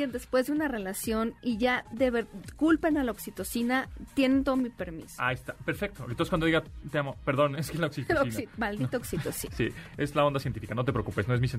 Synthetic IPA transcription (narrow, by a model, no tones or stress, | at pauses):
end̪e̞spwe̞zðeunare̞lasjo̞niʝaðeβeɾkulpenalaoksit̪o̞sinat̪jenent̪̬o̞ðomipeɾmḭsoaest̪ape̞ɾfek̚t̪oḛnt̪onse̥kwand̪oiɣat̪eamopeɾðo̞neskelaoksit̪oisimald̪it̪ooksit̪osisḭezlaond̪asjent̪ifikano̞t̪epɾeokupesnoezmisjen